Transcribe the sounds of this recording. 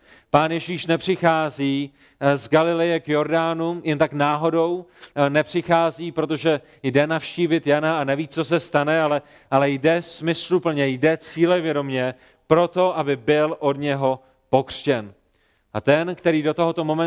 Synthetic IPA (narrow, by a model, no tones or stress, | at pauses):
paːnjɛʒiːʃnɛpr̝̥ɪxaːziː | zɡalɪlɪjɛkjo̞ɾdaːnujɛnt̪aknaːɦo̞do̞wnɛpr̝̥ɪxaːziːpɾot̪o̞ʒɛ | jdɛnafʃciːvɪt̪janaanɛviːt͡so̞s̬ɛst̪anɛalɛ | ʔalɛjdɛsmɪslupl̩ɲɛjdɛt͡siːlɛvjɛdo̞mɲɛ | pɾo̞t̪o̞ʔabɪbɪlʔo̞dɲɛɦo̞ | po̞kr̥cɛn | ʔat̪ɛnkt̪ɛɾiːdot̪oɦot̪o̞mo̞mɛ